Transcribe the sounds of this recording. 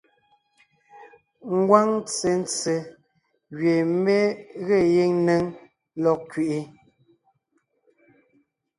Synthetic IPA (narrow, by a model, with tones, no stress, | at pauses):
ŋ̩˦ɡwa˦ŋt͡se˨˦n̩˦t͡se˨ | ɣɥe˨me˦ɣe˦˨je˦ŋne˦ŋ | lɔ˦˨kɥe˨ʔi˦